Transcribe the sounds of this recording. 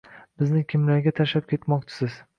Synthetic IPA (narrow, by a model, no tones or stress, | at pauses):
bɪznɪkʲʰɪmlaɾɡʲat̪ʰaʃlap̚kʲʰe̞t̪mɒqt͡ʃʰɪ̥sɪz̥